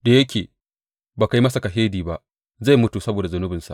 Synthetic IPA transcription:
da˨jɐ˦kʲeː˨ | baː˨ka˦jmɐ˦sa˨ka˨ɦeː˦diː˨ba˦ʔ | za˦˨jmʊ˦tu˨sɐ˦boː˨da˨zʊ˦nʊ˦bɪ˨nsa̰˨ʔ

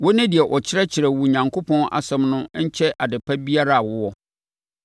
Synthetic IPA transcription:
wʊ˦nɪ̃˦di˨ɛ˨ʔɔ˨t͡ɕʰɪ˦ɾɛ˦t͡ɕʰɪ˨ɾɛ˨wu˨ɲã˨ŋkʰo˦pʰɔ̃˦nʔa̰˨sɛ̃˦mnʊ̃˦ɲ̩˦t͡ɕʰɛ˦ʔa˨dɪ˨pʰa˦bi˦a˦ɾa˦a˨wʊ˦wɔ˦

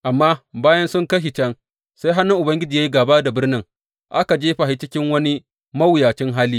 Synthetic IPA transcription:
ʔa˨mːaː˦baː˦jɐ˦nsʊ˦ŋkɐ˦ʃi˨t͡ʃɐ˦ŋ | sa˦jɦa˦nʊ˦ŋʔʊ˨bɐ˦ŋɡʲɪ˦d͡ʒi˨ja˦i˦ɡaː˨ba˦da˨bɪ˦rnɪ˦ŋ | ʔa˦ka˨d͡ʒeː˦ɸa˨ha˦t͡ʃɪ˦kʲɪ˦ŋwɐ˦ni˦ | mɐ˦wjaː˨t͡ʃɪ˦ŋɦaː˦liː˦

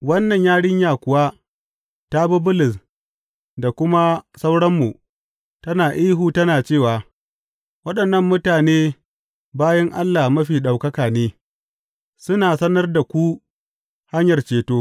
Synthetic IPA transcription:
wɐ˦nːɐ˨ɲjaː˦ɽɪ˦ɲjaː˨kʷʊ˨wa˦ | ta˦bʊ˦bʊ˦lɪ˨s | da˨kʷʊ˦ma˦sa˦wɽɐ˦mːu˨ | tɐ˦naː˨ʔiː˦ɦuː˦tɐ˦naː˨t͡ʃeː˦˨waː˨ | wɐ˦ɗɐ˨nːɐ˦mːʊ˦taː˨neː˦ | baː˦jɐ˦ŋʔa˦lːa˨hmɐ˦ɸiː˨ɗa˨wkɐ˦kaː˨neː˦ | sʊ˦naː˨sɐ˦nɐ˦rda˨kʷu˦ | ha˦ɲjɐ˨rt͡ʃeː˨toː˦

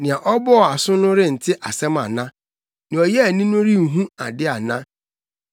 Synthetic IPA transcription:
nɪ̃˨a˨ʔɔ˦bɔ˦˨a˨sʊ˦nʊ̃˦ɾɪ˦n̩˨tʰɪ˦ʔa˨sɛ˦ma˨nã˦ | nĩ˨ɔ˨jɛ˦a˨nĩ˦nʊ̃˦ɾi˦˨ɦũ˦a˨dɪ˦a˨nã˦

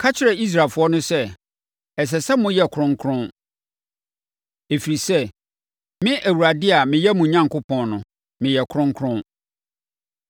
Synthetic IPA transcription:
kʰa˦t͡ɕʰɪ˨ɾɛ˨i˦s̬ɾa˨lfʊ˦ɔ˦nʊ̃˦sɛ˦ | ɛ˨s̬ɛ˨sɛ˦mʊ̃˦jɛ˨kʰʊ˨ɾʊ̃˦ŋ˦kʰɾʊ̃˦n | e˨fi˨ɾi˨sɛ˦ | mɪ̃˦ʔæ˨wu˨ɾa˨dɪ˦a˨mɪ̃˨jɛ˦mũ˨ɲã˦ŋkʊ˦pʰɔ̃˨nnʊ̃˨ | mɪ̃˨jɛ˨kʰʊ˦ɾʊ̃˦ŋkʰɾʊ̃˦n

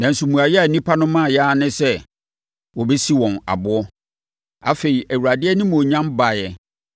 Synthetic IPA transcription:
nã˨n̩˨su˨mũ˨a˨jɛ˦a˨nĩ˦pʰa˦nʊ̃˦mã˦˨jɛ˦a˦nɪ̃˦sɛ˦ | wɔ˨bɛ˦si˦wɔ̃˨na̰˨bʊ˦ɔ˦ | a̰˨fe˨i˨ʔæ˨wu˨ɾa˨dɪ˦ɛ˦nɪ̃˦m̃˨ɔ˨ɲã˦mba˨jɛ˨

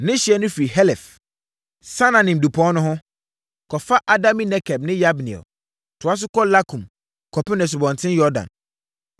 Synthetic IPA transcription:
nɪ̃˦ɕi˨ɛ˨nʊ̃˦fɾi˨hɛ˦lɛ˨f | sã˦nã˨nɪ̃˨m̩˨du˨pʰɔ̃˨˦nʊ̃˦ɦʊ̃˦ | kʰɔ˨fa˦ʔa˨dã˦mĩ˦nɛ˦kʰɛ˨bnɪ̃˦ja˦bnḭ̃˨ɛ̰˨l | tʰʊ˨a˦s̬ʊ˦kɔ˦la˦kʰũ˨m | kʰɔ˨pɪ˦nɛ̃˨s̬ʊ˨bɔ̃˨n˨tʰɪ̃˦njɔ˦dã̰˨n

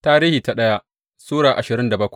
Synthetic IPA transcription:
taː˦ɾiː˦hiː˨ta˨ɗɐ˦ja˦ʔ | suː˦ɽaː˨ʔa˨ʃɪ˨ɾɪ˦nda˨bɐ˦kʷ

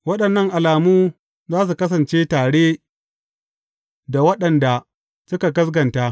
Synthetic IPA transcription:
wɐ˦ɗɐ˨nːɐ˦ŋʔa˨laː˨muː˦ | zaː˦s̬u˨kɐ˦s̬ɐ˨nt͡ʃeː˦taː˨ɽeː˦ | da˨wɐ˦ɗɐ˨nda˨ | sʊ˦ka˨ɡɐ˦sɡɐ˨ntaː˦

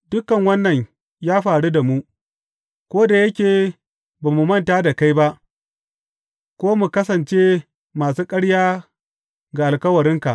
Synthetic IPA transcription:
dʊ˦kɐ˨ŋwɐ˦nːɐ˨ɲ | jaː˦ɸaː˨ɽu˦da˨mu˦ | kʷoː˦da˨jɐ˦kʲeː˨ | baː˨mu˨mɐ˦˨ntaː˦da˨ka˦jba˦ʔ | kʷoː˦mu˨kɐ˦sɐ˨nt͡ʃe˦ | maː˨suː˦kʼɐ˦ɽjaː˦ | ɡa˨ʔa˨lkɐ˦wɐ˨ɾɪ˦ŋka˨ʔ

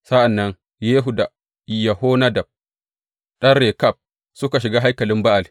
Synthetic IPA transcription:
sa˦ʔa˨nːɐ˦n | jeː˦ɦu˨da˨ | i˨ja˨hoː˦na˦da˨b̚ | ɗɐ˦rːe˨ka˦˨b̚ | sʊ˦ka˨ʃ̬i˨ɡaː˦ɦa˦jkɐ˨lɪ˦mba˦ʔa˨l

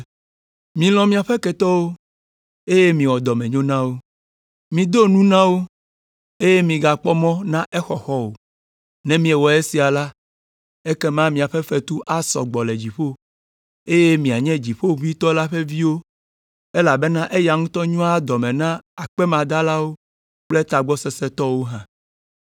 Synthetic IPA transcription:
mĩ˨l̃ɔ̃˨mĩ˦a˨ɸɛ˦kɛ˨t̪ɔ˦wo˦ | e˦je˦mĩ˨wɔ˨d̪ɔ˨mɛ̃˨ɲõ˦nã˦wo˦ | mĩ˨d̪o˦nũ˦nã˦wo˦ | e˦je˦mĩ˨ɡa˨k͡pɔ˦mɔ̃˦nã˦ʔe˦xɔ˨xɔ˦wo̰˨ | nɛ̃˦mĩ˦ɛ˨wɔ˨e˦si˨a˨la˦ | e˦kɛ˦mã˦mĩ˨a˨ɸe˦ɸɛ˦t̪u˦ʔa˦sɔ̰˨ɡ͡bɔ˨lɛ˨d͡ʑi˨ɸo˦ | e˦je˦mĩ˨a˨ɲɛ̃˦d͡ʑi˨ɸo˦vi˦t̪ɔ˦la˦ɸe˦vi˦wo˦ | e˦la˨be˦nã˦ʔe˦ja˨ŋũ˦t̪ɔ˦ɲũ˦a˦d̪ɔ˨mɛ̃˨nã˦a˨k͡pɛ˦mã˨d̪a˦la˦wo˦ | k͡plɛ˦t̪a˨ɡ͡bɔ˦sɛ˦sɛ˦t̪ɔ˦wo˦ɦã˨

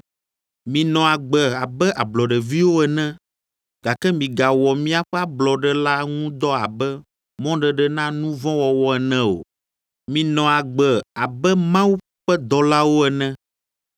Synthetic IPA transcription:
mĩ˨nɔ̃˨a˨ɡ͡bɛ˨a˨bɛ˦ʔa˨blɔ˨ɖɛ˨vi˦wo˦ɛ˨nɛ̃˦ | ɡ̥a˨kɛ˦mĩ˨ɡa˨wɔ˨mĩ˦a˨ɸɛ˦a˦blɔ˨ɖɛ˨la˦ŋũ˦d̪ɔ˦a̰˨bɛ˦ | mɔ̃˦ɖɛ˨ɖɛ˨nã˦nũ˦vɔ̃˦wɔ˨wɔ˦ɛ˨nɛ̃˦o̰˨ | mĩ˨nɔ̃˨a˨ɡ͡bɛ˨a˨bɛ˦mã˦wu˦ | ɸɛ˦d̪ɔ˨la˦wo˦ɛ˨nɛ̃˦

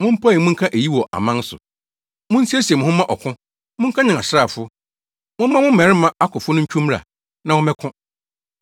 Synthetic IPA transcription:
mʊ̃˦m̩˦pʰa˦˨i˨mʊ̃˦ŋ̩˦kʰã˦ʔe˨ji˦wɔ˨ʔa̰˨mã˦n˦sʊ̰˨ | mʊ̃˦n̩˦si˦e˦si˨ɛ˨mʊ̃˨hʊ̃˦mã˦ʔɔ˨kʰʊ̃˦ | mʊ̃˦ŋ̩˦kʰã˦ɲɪ̃˨ŋa˨ɕɾa˦˨fʊ˦ | mʊ̃˦m˦mã˦mʊ̃˦m̩˦mɛ˨ɾɪ˦mã˦a˦kʰʊ˨fʊ˦nʊ̃˦ɲ̩˦t͡ɕᶣʰũ˦mɾa̰˨ | nã˨wɔ˦mɛ̃˦kʰʊ̃˦

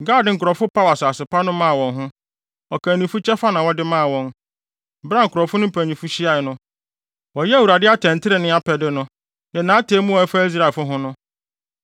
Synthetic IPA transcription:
ɡaː˦˨dɪ̃˨˦ŋ̩˨kʰɾɔ˨fʊ˦pʰa˦wa˨sa˨sɪ˨pa˦nʊ̃˦mã˦a˨wɔ̃˨ŋɦʊ̃˦ | ɔ˨kʰæ̃˨nĩ˨fu˦t͡ɕʰɛ˦fa˦nã˨wɔ˦dɪ˦mã˦a˨wɔ̃˨n˦ | bɾa˦ŋ̩˨kʊ˨ɾɔ˨fʊ˦nʊ̃˦pʰæ̃˨ɲĩ˨fu˦ɕi˦a˨ɪ˨nʊ̃˦ | wɔ˨jɛ˦˨wu˨ɾa˨dɪ˦a˦tʰɛ̃˨n˨tʰɪ˦ɾɪ˨nɪ̃˦a˦pʰɛ˨dɪ˦nʊ̃˦ | jɛ˨nãː˨˦tʰeː˦mũ˦ɔ˨˦ɛ˦fa˦i˦s̬ɾa˨ɛ˨fʊ˦ɦʊ̃˦nʊ̃˦

